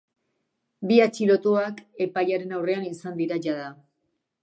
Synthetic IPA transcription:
biat͡ʃilo̞t̪uake̞pajaɾe̞nawre̞anisand̪iɾaʝaða

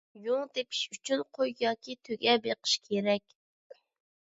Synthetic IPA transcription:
joŋˠd̪epʰi̥ʃyt͡ʃʰynqʰojjɑːkʲʰit̪ʰøɡʲɛbeqʰə̥ʃkʲʰeɾɛkʲ

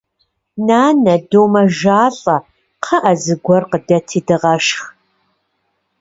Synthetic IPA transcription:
naːnɐdoːmɐʒaːɬʼɐ | qʰəʔɐzɨɡʷɔrqədɐtʰiːdɨʁɐʃx

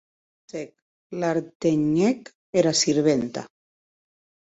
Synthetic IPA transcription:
sek̚ | laɾt̪eɲek | eɾasiɾβent̪a̰

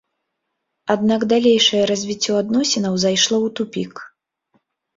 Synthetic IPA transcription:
ad̪̚naɡd̪alʲejʂɐjɛɾazʲvʲit͡sʲːɔad̪nɔsʲɛnɐwzajʂlˠɔwt̪upʲik

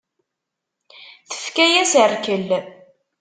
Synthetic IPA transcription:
θə̥fkæjæsərkəl

